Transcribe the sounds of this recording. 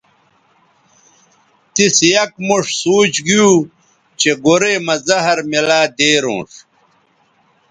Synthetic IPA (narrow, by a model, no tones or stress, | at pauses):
t̪isjɐkmuʂsuːt͡ɕɡiju | t͡ɕeɡoɾeːmɐzɐɦɐɾmilaːd̪eːɾõ̰ːʂ